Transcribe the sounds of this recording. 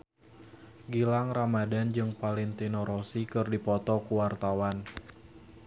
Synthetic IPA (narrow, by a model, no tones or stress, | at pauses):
ɡilaŋramadand͡ʒɨŋpalint̪inɔɾosikɨrdipɔt̪ɔkuwart̪awan